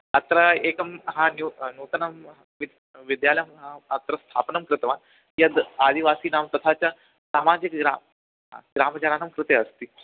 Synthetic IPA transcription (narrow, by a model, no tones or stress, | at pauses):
ɐt̪ɾəekɐmɦãnjunut̪ənɐmɦ | ʋi | ʋid̪jalmɦãɐt̪ɾəst̪ʰapnɐmkɾɪt̪ʋan | jad̪ad̪ʱiʋasiːnamt̪ɐt̪ʰat͡ɕja | saːmad͡ʑikɡɾam | ɦã̰ɡɾamd͡ʑɐnanəmkɾɪt̪eəst̪iː